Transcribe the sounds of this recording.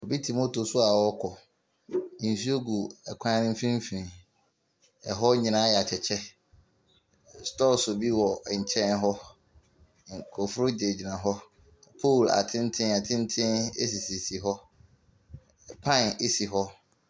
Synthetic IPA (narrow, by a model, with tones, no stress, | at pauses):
o˨bi˦tʰi˨mo˦tʰo˨sʊ˦a˨wɔ˦kʰɔ˨ | ĩ˨n˨si˦o˦ɡu˨ɛ˨kʷʰã˦nɪ̃˦m̩˦fĩ˦m˦fi˨ɾĩ˨ | ɛ˨ɦɔ˦ɲĩ˨nã˦jɛ˨a˨t͡ɕʰɛ˨t͡ɕʰɛ˦ | stɔ˦sʊ˨bi˦wɔ˨ɲ̩˨t͡ɕʰɛ̃˦nɦɔ˦ | ŋ̩˨kʰɔ˨fʊ˦ɾʊ˦de˨d͡ʑi˨nã˨ɦɔ˦ | pʰo˦˨la̰˨tʰɪ̃˦n˦tʰɪ̃˦ɛ˨tʰɪ̃˦n˦tʰɪ̃˦nḛ˦si˨si˨si˨ɦɔ˦˨ | pʰã˦˨ne˦si˨ɦɔ˦